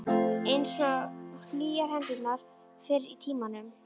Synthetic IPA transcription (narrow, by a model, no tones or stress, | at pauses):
ejnsɔliːjaɾ̥hɛnt̪ɪnaɾ̥ | fɪɾɾit̪ʰiːmanʏm